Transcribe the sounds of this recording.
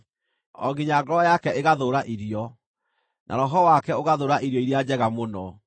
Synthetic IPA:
ɔ̰ɣiɲaɡɔɾɔjakɛeɣaðoɾaʔiɾiɔ | nʔa̰ɾɔɦɔwakɛoɣaðoːɾaʔiɾjɔiɾjad͡ʑɛɣamonɔ

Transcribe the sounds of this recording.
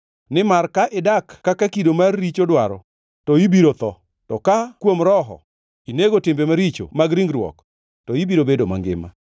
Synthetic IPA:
nɪmarkaʔɪdakːakakidomarːit͡ʃodwaɾɔ | tɔibiɾot̪ɔ | tɔkakwomɾɔɦɔ̰ | ineɡotɪmbemaɾit͡ʃo̰maɡɾiŋɡɾwɔ̰k | tɔibiɾobedoma̰ŋɡɪ̰ma̰

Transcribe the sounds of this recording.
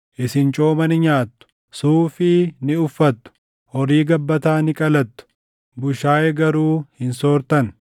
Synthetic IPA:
ʔɪsɪnt͡ʃʼoːmɐnɪɲaːt̪ːʊ̥ | suːfɪnɪʊfːɐt̪ːʊ̥ | hɔɾiːɡɐbːɐt̪aːnɪkʼɐlɐt̪ːʊ̥ | bʊʃaːjɛɡɐɾuːhɪnsoːɾt̪ɐn

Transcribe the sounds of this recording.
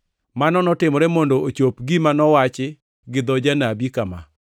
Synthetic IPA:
manɔnɔtɪmɔɾɛmondoot͡ʃopɡimanɔwat͡ʃɪ | ɡɪd̪ɔd͡ʒanabikama̰

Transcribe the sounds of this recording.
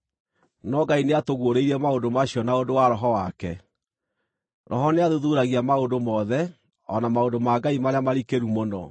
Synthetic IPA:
nɔɡaineatoɣwoɾeiɾɛmaodomaɕiɔnaondowaɾɔɦɔwakɛ | ɾʔɔɦɔneaðuðuɾaɣiamaondomɔðɛ | ɔ̰namaodomaɡaimaɾeamaɾikeɾumonɔ̰

